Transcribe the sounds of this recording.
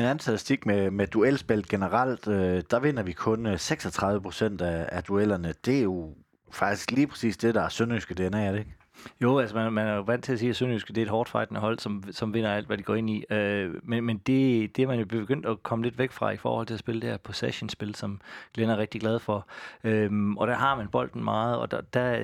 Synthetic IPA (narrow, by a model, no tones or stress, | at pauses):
enæn̩sʰælisd̥iɡ̥memed̥uelsb̥el̰d̥̚ɡ̥enəʁɑl̰d̥d̥ɑ̈ʋe̝nɐʋikʰɔ̽nseɡ̥sɒt͡sʰʁɑ̈ðˠʋəpʰʁo̥sen̰d̥ææd̥uel̰ɐnəd̥e̝æɐjo̝ | fɑ̈ɡ̥̚d̥i̥sɡ̥liːpʰʁɛ̥sḭːsd̥e̝ɾ̥ɑ̈æɐsønysɡ̥əd̥e̝enɛ̰ːɐdeɡ̥ | jo̝ælsəmænmænæɐjo̝ʋæn̰t͡sʰe̝læsiːæsønysɡ̥əd̥e̝ɐed̥ɦɒːd̥fɑ̈ɪd̥nəɦɒ̽l̰sɒ̽msɒ̽mʋe̝n̰ɐæl̰d̥ʋædiɡ̥ɒ̰ːe̝niømenmend̥e̝d̥e̝æɐmænjo̝b̥e̝ɡ̥øn̰d̥ɒkʰɒ̽məle̝d̥ʋeɡ̥fʁɑ̈ifɒ̰ːhɒ̽l̰t͡sʰe̝læsb̥e̝ləd̥eæɐpʰosæɕənsb̥e̝lsɒ̽mɡ̥lenɐæɐʁeɡ̥̚d̥iɡlæð̞ˠfɒ̽ømɒ̽d̥æɐɦɑ̈mænb̥ɒ̽l̰d̥n̩mɑ̈ːð̞̩ˠɒ̽d̥æ